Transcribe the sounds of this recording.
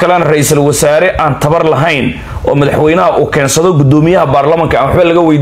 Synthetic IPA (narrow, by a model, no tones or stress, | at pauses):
kʰɐlɛnɐrɛjisɐlwɐsaːɾɛʔaːnt̪ʰɐβɐrlɐɦɛjn | ʔɔːmɐðɐħwɛjnɐɦɐʔuːkʰɛːnsɐðɔɡʊd̪ɔːmɪjɐɦɐbaːrlɐmɐŋkʰɐmwɑħbɐlɐɣɐwɛjd̪